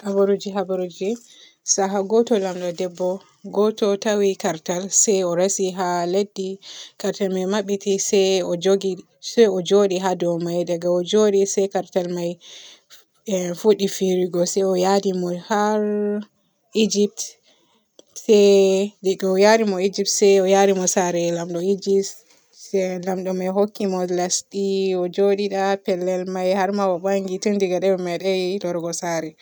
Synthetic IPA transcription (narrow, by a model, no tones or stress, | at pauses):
habaɾud͡ʒiɦabaɾod͡ʒɛ | saɦaɡɔtɔlamɗɔdɛbːɔ | ɡɔtɔtawikaɾtalsajɔɾasiɦaledːikaɾtalmajmaɓitisɛjɔd͡ʒoɡi | sɛɔd͡ʒoɗiɦadɔwmajdaɡaɔd͡ʒoɗisajkaɾtalmaj | fuɗifiɾiɡɔsɛjɔjadimɔhaɾ | id͡ʒip̚t | sɛdɛɡaɔjadimɔid͡ʒip̚tsɛjɔjadimɔsaɾɛlamɗɔid͡ʒis | ɛlamɗɔmajɦokːimɔlastiɔd͡ʒoɗiɗapɛlːɛlmajhaɾmawabaŋɡitundiɡaɗɛwɛmaɗajlɔɾɡɔsaɾɛ